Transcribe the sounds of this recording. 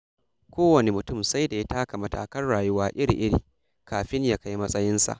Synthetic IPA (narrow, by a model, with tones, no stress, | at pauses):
kʷoː˦wɐ˨ne˨mʊ˨tʊ˦˨msa˦jda˨ja˦taː˦ka˨mɐ˨ta̰ː˨kɐ˦nɽaː˨jʊ˦waː˦ʔɪ˦ɾḭ˨ʔɪ˦ɽiː˨ | kaː˨ɸɪ˦ɲjaː˦ka˦jmɐ˦sʼɐ˦jɪ˦nsa̰˨ʔ